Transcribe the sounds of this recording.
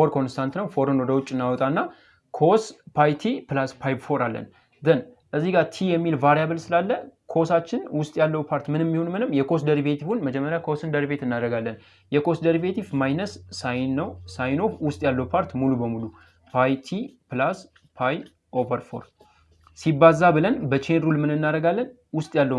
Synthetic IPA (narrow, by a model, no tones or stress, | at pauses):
ɾkʰo̞nst̪ʰant̪nəwfo̞ɾɨnwɔd̪əwʊt͡ʃʼːɨnːawɔt̪ʼanːa | kʰo̞spʰajt̪ʰipɨlaspʰajbfo̞ɾalːə̰n | zɨnʔəzːiɡat̪ʰijɛmːilvaɾijaβɨlsɨlalːəkʰo̞sat͡ʃːɪnwʊst̪ʼjalːəwpʰaɾt̪mɨnɛmːihonmɨnɨmːjɛkʰo̞sd̪əɾiβet̪ʰifunməd͡ʒɛmːəɾjakʰo̞sɨnd̪əɾibe̞t̪ɨnːad̪ɾəɡalːən | jɛkʰo̞sd̪əɾibe̞t̪ifmajnəsːajnəwsajno̞fwʊst̪ʼjalːəwpʰaɾt̪mulubəmulu | pʰajt̪ʰipɨlas | pʰaj | ʔovəɾfo̞̰ɾ | sibazːabɨlənbət͡ʃʰenɾulmɨnɨnːaɾəɡalːən | wʊst̪ʼjalːə